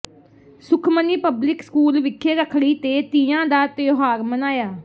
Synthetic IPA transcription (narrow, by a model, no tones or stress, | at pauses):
sʊkʰməniːpəblɪkskuːlʋɪkʰːeːɾəkʰɽiːt̪eːt̪iãːd̪aːt̪eoɦaːɾmənaːjaː